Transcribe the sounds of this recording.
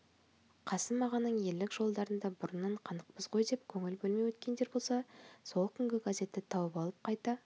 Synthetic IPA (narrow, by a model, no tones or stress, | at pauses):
qʰɑsəmmɑʁɑnəɴje̞lːɪkʒ̥o̞lˠd̪ɑɾənd̪ɑbʊɾənːɑɴqʰɑnəq̚pəzʁo̞jd̪e̞pkʲʰɵŋɪlbɵlˠmejwɵt̪kʲe̞nd̪e̞ɾbo̞lˠsɑso̞lˠkʲʰʏŋɡʲɪɡaze̞t̪ːɪt̪ʰɑwəpɑlˠəp̚qʰɑjt̪ɑ